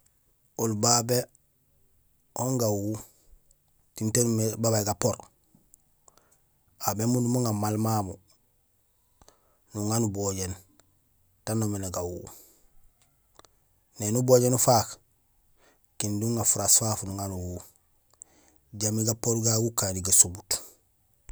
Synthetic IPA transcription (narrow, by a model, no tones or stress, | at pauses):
olbabe | oŋɡawu | tintenumebabaiɡapːoɾ | abemunumuŋamalmamu | nuŋanuboɟen | tanːomeneɡawu | nenuboɟenufaːk | kinduŋɡafuɾasfaːfnuŋanuwu | ɟamiɡapoɾɡaɡukaːndiɡasubut